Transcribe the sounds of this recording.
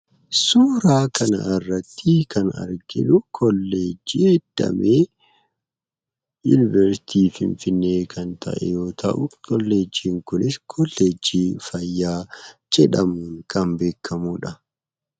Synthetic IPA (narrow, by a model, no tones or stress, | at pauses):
suːɾaːkʰɐnɐ̰ɪrːɐt̪ʰːiːkʰɐnɐ̰ɾɡɪlʊkʰɔlːe̞ːd͡ʒiːɛd̪̥ːɐ̰meː | jʊnɪvɛɾsɪ̥t̪ʰiːfɪ̰ɱfɪnːe̞ːkʰɐnt̪ʰɐ̰ʔɛ̰jo̞ːt̪ʰɐʔʊkɔlːe̞ːd͡ʒːiːŋkʊnɪskʰɔlːe̞ːd͡ʒːiːfɐjːaːd͡ʒɛᶑɐmuːŋkʰɐmbe̞ːkʰːɐmuːᶑɐ